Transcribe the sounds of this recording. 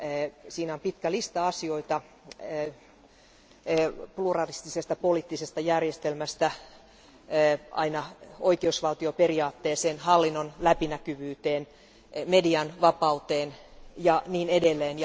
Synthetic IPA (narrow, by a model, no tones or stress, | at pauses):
siːnæompit̪kælist̪ɑɑsio̞it̪ɑ | plurɑlist̪isest̪ɑpoliːt̪ːisest̪ɑjærjest̪elmæst̪æ | ɑ̰inɑoikeusʋɑlt̪ioperiɑːt̪ːeːseːnhɑlːinːonlæpinækyʋyːt̪eːn | mediɑnʋɑpɑut̪eːnjɑniːnedelːeːnj